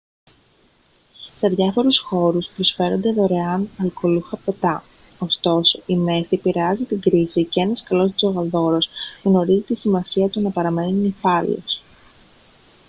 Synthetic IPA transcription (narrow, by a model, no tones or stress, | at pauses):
se̞ðʝɐfo̞ɾusxo̞ɾuspɾosfe̞ɾo̞nd̪eðo̞ɾe̞ɐnɐlko̞luxɐpe̞t̪ɐ | o̞st̪o̞so̞ʔime̞θipiɾeɐzit̪iɡɾisiceenɐskɐlo̞st̪ozo̞ɣɐðo̞ɾosɣno̞ɾizit̪isimɐsiɐt̪unɐpɐɾɐme̞ninifɐlḭo̰s